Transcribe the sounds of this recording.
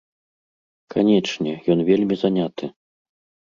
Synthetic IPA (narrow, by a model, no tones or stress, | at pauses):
kʰanʲɛt͡ʂnʲɛjɔnvʲelʲmʲizanʲat̪ɨ